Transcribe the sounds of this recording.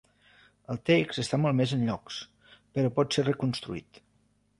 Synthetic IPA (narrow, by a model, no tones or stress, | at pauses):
əlˠt̪ekz̥əst̪amɔlˠmezənʎɔks | pəɾɔpɔt̪serəkunst̪ɾuḭt̪